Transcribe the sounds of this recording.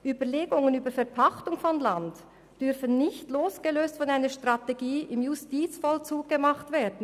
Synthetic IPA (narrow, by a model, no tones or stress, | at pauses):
ʔyːbəleːɡʊŋənyːbəɾfɛɐpʰaχtʊŋfɔnlant | d̥ʏɾfənːɪçtloːsɡ̥əløːstfɔnaɪnəʃtʁ̥ɑteɡiːʔɪmjʊstiːt͡sfɔlt͡suːɡ̚ɡ̥əmɑχtv̥eːɐdn̩